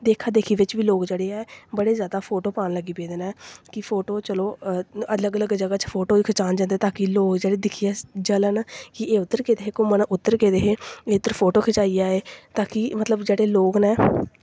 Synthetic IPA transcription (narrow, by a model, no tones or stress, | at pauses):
d̪eːkʰaːd̪eːkʰiːʋɪt͡ʃʋiːloːkd͡ʒeːɽeːɛːbəɽeːzjaːd̪aːpʰoːʈoːpaːnləɡiːpeːd̪nɛːkɪpʰoːʈoːt͡ʃəloːələɡələɡd͡ʒəɡaːt͡ʃpʰoːʈoːiːkʰət͡ʃaːnd͡ʒãnd̪eːt̪aːkɪloːkd͡ʒeːɽeːd̪ɪkʰiaːd͡ʒələnkɪeːʊt̪ːəɾkeːd̪eːɦeːkoːmənʔʊt̪ːəɾkeːd̪eːɦeːeːʊt̪ːəɾpʰoːʈoːkʰət͡ʃaːiːjaːeːt̪aːkɪmət̪ləbd͡ʒeːɽeːloːknɛː